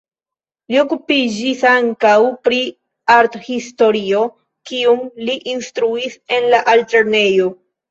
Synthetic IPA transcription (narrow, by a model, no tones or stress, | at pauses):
lio̞kupid͡ʒisaŋkawpɾi | aɾthisto̞ɾio̞ | kiumliʔinstɾuise̞nlaʔalte̞ɾne̞jo̞